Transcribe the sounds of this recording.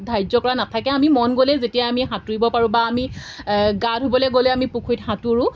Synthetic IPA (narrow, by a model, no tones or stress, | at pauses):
dʱajzɔkɔɹanatʰakɛamimɔnɡolɛzetijaamiɦatuɹibɔpaɹũbaːmi | ɡadʱɦobɔlɛɡolɛamipukʰujthatuɹʊ̃